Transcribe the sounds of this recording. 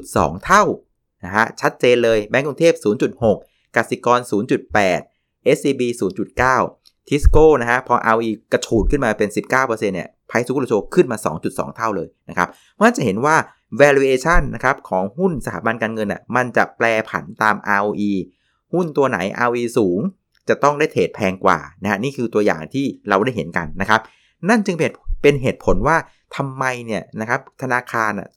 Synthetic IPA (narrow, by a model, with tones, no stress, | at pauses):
t͡ɕu˨˩t̪̚sɔ̰ː˩˦ŋt̪ʰa˥˩w | na˦˥kʰa˦˥t͡ɕʰa˦˥t̪̚t͡ɕeː˧nlɤː˧jbɛ˦˥ŋkɾu˧ŋt̪ʰeː˥˩p̚suː˩˦nt͡ɕu˨˩t̪̚ho˨˩k̚ː | a˨˩t̚si˨˩kɔː˧nsuː˩˦nt͡ɕu˨˩t̪̚pɛː˨˩t̪̚ | ʔe˦˥siː˧biː˧suː˩˦nt͡ɕu˨˩t̪̚kaː˥˩w̪ʰ | i˦˥skoː˥˩na˦˥kʰa˦˥pʰɔ˧ʔa̰ː˧wʔiː˧ka˧t͡ɕʰuː˨˩t̪̚kʰɯ˥˩nmaː˧pe˧nsi˨˩p̚kaː˥˩wpɤː˧se˧nːi˦˥˩ɐpʰa˧jsu˧˦˥t͡ɕʰoː˧kʰɯ˥˩nmaː˧sɔ̰ː˩˦ŋt͡ɕu˨˩t̪̚sɔ̰ː˩˦ŋt̪ʰa˥˩wlɤː˧jna˦˥kʰa̰˦˥p̚ | mɯ˥˩ɐ˨t͡ɕa˨˩ɦe˩˦nwaː˥˩ | wɛː˧ɾi˧ʔeː˧t͡ɕʰa˥˩nːa̰˦˥kʰa˦˥p̚kʰɔː˩˦ŋhu˥˩nsa˧t̪ʰaː˩˦ba˧nkaː˧nŋɤ˧nːʔḭ˨˩ma˧nt͡ɕa̰˨˩plɛː˧pʰa̰˩˦nt̪aː˧mʔaː˧wʔiː˧ | hu˥˩nt̪u˧ɐna̰˩˦jʔa̰ː˧wʔiː˧suː˩˦ŋ | t͡ɕa˨˩t̪ɔ˥˩ŋdaː˥˩jt̪ʰeː˨˩t̪̚pʰɛː˧ŋkwa̰ː˨˩na˦˥ha˦˥niː˥˩kʰɯː˧t̪u˧ɐja̰ː˨˩ŋt̪ʰiː˥˩ɾa˧wda˥˩jɦe˩˦nka̰˧nːa˦˥kʰa˦˥p̚ | na˥˩nt͡ɕɯ˧ŋpe˨˩pe˧nɦeː˨˩t̪̚pʰo˨˩˦nwaː˥˩ | t̪ʰa˧mːa˧jni˥˩ɐna˦˥kʰa˦˥p̚t̪ʰa˧naː˧kʰaː˧nʔa̰˨˩